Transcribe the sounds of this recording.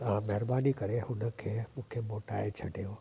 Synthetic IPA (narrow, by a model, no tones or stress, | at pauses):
ãmɛɦɾbanikəɾehʊnəkʰemũːkʰemoʈaet͡ʃʰə̰ʈejo